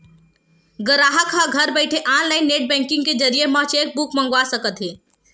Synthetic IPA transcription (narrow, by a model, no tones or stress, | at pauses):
ɡəɾaːɦəkʰaɡʱəɾbəɛɪʈʰeʔaːnlaɪnːeːʈ̚bɛ̃ːŋkɪ̃ŋɡ̚ked͡ʒəɾijemə̃t͡ʃeːk̚bukʰmə̃ŋɡwasəkət̪ɦeː